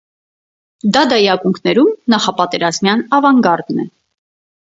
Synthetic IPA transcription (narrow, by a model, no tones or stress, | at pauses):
d̪ɑd̪ɑjɑkuŋkʰnɛɾumnɑχɑpɑt̪ɛɾɑzmjɑnɑvɑŋɡɑɾd̪nɛ